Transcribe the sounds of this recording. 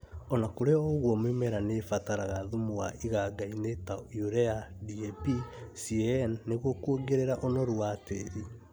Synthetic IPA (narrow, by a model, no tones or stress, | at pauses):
ɔnakoɾeɔoɣwɔmwemɛɾanefataɾaɣaðumwaʔiɣaɡainetajuɾɛadiepisiɛnːeɣokuoɡeɾeɾaʔonɔɾuateɾi